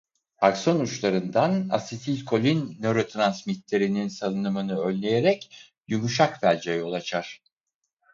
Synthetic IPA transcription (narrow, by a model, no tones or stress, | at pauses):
akso̞nut͡ʃlˠaɾɯnd̪ana̰sit̪ʰilʲkʰo̞lʲinːø̞ɾo̞t̪ʰɾansmit̪lʲe̞ɾininsalˠɯnɯmɯnɯø̞nʲlʲe̞jeɾɛc | jymuʃakbælʲd͡ʒɛjo̞lˠat͡ʃʰaɾ̥